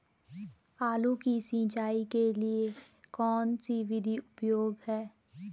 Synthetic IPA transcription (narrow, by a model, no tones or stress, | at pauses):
aːlukisĩːt͡ʃaːikelie | kɔːnsiʋɪd̪ʱiʊpjoːɡɦɛː